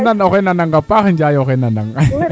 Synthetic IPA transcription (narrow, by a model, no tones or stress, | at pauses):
nanokenanaŋɡapakɲd͡ʒajokenanaŋ